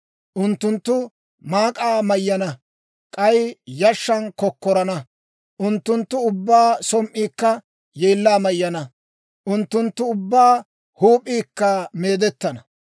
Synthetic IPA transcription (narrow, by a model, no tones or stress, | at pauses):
ʔʊnt̪ːʊnt̪ːʊ | maːkʼaːmɐjːɐnɐ | kʼɐjjɐʃːɐnkɔkːɔɾɐnɐ | ʔʊnt̪ːʊnt̪ːʊʊbːaːsɔmʔiːkːɐ | jeːlːaːmɐjːɐnɐ | ʔʊnt̪ːʊnt̪ːʊʊbːaː | huːpʼːiːkːɐmeːd̪ɛt̪ːɐnɐ